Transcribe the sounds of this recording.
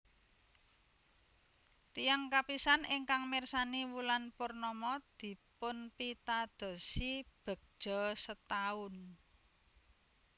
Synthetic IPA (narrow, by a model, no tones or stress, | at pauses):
t̪ijaŋkapisanɪŋkaŋmɪrsaniwulanpʊrnɔmɔd̪̥i̤pʊnpit̪ad̪̥ɔ̤sib̥ə̤k̚ʒ̥ɔsət̪aʊn